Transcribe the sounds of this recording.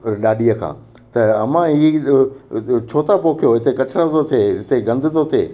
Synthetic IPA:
ɗaːɗijəkʰã̰ː | t̪ɐɐmãɦiː | t͡ɕʰoːt̪apoːkʰijoɦɪt̪ekɐʈʰəɽət̪ot̪ʰeɦɪt̪eɡɐ̃nd̪ʱɪt̪ʰot̪ʰeː

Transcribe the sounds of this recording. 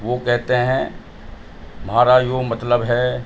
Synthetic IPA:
ʋokɛɦt̪eɦɛ̃ | mɦaːɾajomɐt̪ləbɦɛ

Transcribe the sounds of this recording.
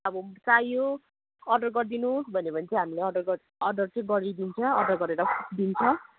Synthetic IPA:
ʌbʌt͡sajo | ʌɖʌrɡʌrd̪inusbʱʌnebʌnt͡sʰʌɦamileʌɖʌrɡʌɾ | ʌɖʌrt͡seɡʌɾid̪int͡sʰʌːɖʌrɡʌɾeɾʌkʰd̪int͡sʰʌ

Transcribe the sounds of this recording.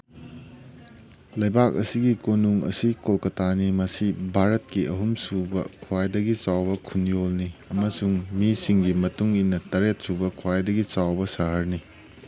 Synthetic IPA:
lɐjbak̚ɐsiɡikonuŋɐ̰sikolkɐtanimɐsibʱaɾɐt̚kiʔɐɦumsubɐ̰kʰwajdɐɡit͡ʃawbɐkʰunjolniɐmɐsuŋmisiŋɡimɐtuŋinːɐtɐɾet̚subɐkʰwajdɐɡit͡ʃawbɐsɐɦɐɾni

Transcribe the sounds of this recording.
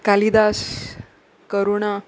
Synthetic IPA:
kalid̪as | kəɾuɳa

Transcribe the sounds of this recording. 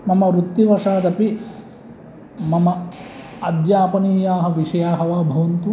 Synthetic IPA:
mɐmɐɾut̪ːiʋɐʂaːd̪ɐpi | mɐmɐ | ɐd̪jaːpɐniːjaːɦɐ̆ʋiʂɐjaːɦɐʋaːbʱɐʋɐnt̪u

